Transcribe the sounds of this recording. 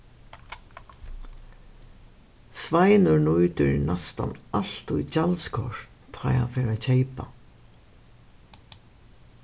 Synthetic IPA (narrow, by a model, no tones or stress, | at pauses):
svajnʊɹnujt̪ʏɾnast̪a̰nalt̪ujt͡ɕalskʰɔ̰ɹ | t̪ʰaːja̰fɛːɾat͡ɕʰejpa